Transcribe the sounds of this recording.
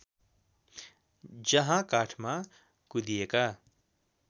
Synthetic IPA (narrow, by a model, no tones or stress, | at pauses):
d͡ʒɐɦãkaːʈʰmã | kud̪ijeka